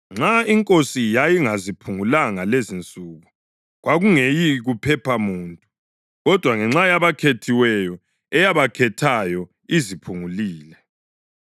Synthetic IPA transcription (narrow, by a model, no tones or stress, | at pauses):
ŋ͡ǁaiŋkʼosijajiŋazipʰuŋulaŋalezint͡sʼuːɣu | ɣwaɣuŋejiɣupʰɛpʰamuːntʼu | ɣɔd̥ʱwaŋɛŋ͡ǁajaβakʰetʰiwɛjɔ | ɛjaβakʰɛtʰajɔ | izipʰuŋuliːlɛ